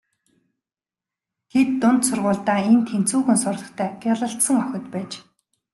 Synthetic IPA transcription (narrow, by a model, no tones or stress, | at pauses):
ɡet̪ːʊnt̪sʊrʁʊːɮt̪aːent̪ʰen̥t͡suːxɘ̆nsʊrɮɞ̆χt̪ʰæːɡaɮə̆ɬt̪sə̆ŋœxʲɪ̆t̪pæːt͡ɕ